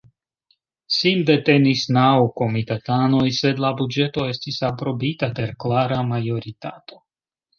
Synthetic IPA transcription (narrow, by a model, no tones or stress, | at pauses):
sinde̞te̞nisnawko̞mit̪at̪ano̞jse̞d̪labud͡ʒe̞to̞e̞stisapɾo̞bitape̞ɾklaɾamajo̞ɾit̪ato̞